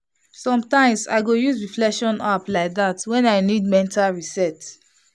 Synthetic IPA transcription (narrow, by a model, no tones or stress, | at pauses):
sɔ̃mtãɪ̃msa̰ɪɡojuzɹiflɛkʃɔ̃naplaɪk̚ðatwɛ̃naɪnidmɛ̃ntalɹisɛts